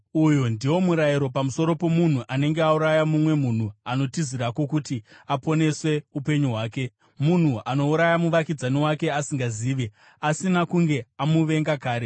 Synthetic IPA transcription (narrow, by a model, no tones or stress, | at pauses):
ujondiwo̞muɾajiɾo̞pamuso̞ɾo̞po̞mun̤uʔane̞ŋɡeauɾajamumwe̞mun̤uano̞tiziɾako̞kutiapo̞ne̞swe̞upe̞ɲuɦwaːke̞ | mun̤uʔano̞uɾajamuʋakid͡zanewake̞asiŋɡaziːʋe | asinakuŋɡe̞amuʋe̞ŋɡakaːɾe